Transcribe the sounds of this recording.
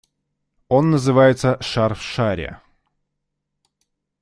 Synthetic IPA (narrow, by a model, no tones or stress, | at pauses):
o̞nːəzɨvajɪt̪səʂarfʂaɾʲɪ̰